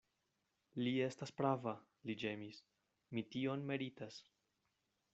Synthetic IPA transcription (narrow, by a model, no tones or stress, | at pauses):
lie̞staspɾava | lid͡ʒe̞mis | mitio̞nme̞ɾitas